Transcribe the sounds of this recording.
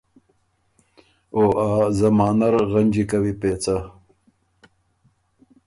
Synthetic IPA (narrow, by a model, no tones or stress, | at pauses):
oːʔaːzɐmɑːnaɾɣɐnʲd͡ʒikɐwipeːt͡sa